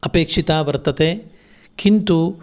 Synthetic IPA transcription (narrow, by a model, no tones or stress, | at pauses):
ɐpeːkʂit̪aːʋɐɾt̪ɐt̪eː | kint̪u